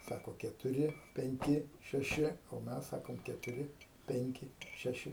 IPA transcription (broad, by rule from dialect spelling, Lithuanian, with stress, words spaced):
ˈsɑːkoː kʲɛtʊˈrʲɪ pʲɛŋʲˈkʲɪ ʃʲɛˈʃʲɪ oː ˈmʲɛs ˈsɑːkoːm kʲɛtʊˈrʲɪ ˈpʲɛŋʲkʲɪ ˈʃʲæːʃʲɪ